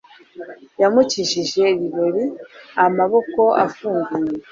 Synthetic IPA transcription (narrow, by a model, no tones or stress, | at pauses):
jamuciʃiʒe̞βiβoɾiamaβo̞ko̞a̰fuːŋɡuje